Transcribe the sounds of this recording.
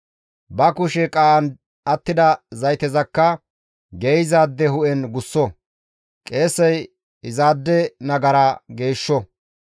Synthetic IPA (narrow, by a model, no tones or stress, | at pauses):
bɐkʊʃɛkʼaːʔɐn | ɐt̪ːɪd̪ɐzɐjt̪ɛzɐkːɐ | ɡejzaːd̪ːɛɦʊʔɛnɡʊsːɔ | kʼe̞ːsːɐj | ɪzaːd̪ːɛnɐɡɐɾaːɡe̞ːʃːɔ